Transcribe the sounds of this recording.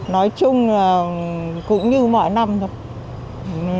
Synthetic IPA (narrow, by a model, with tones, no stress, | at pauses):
nɔ˨˦jt͡ɕʊ˧ŋ͡mlaː˨˩kʊ̰˧˥ŋ͡mɲɨ˧mɔ̰˧˨jna˧mt̪ʰo˧˦j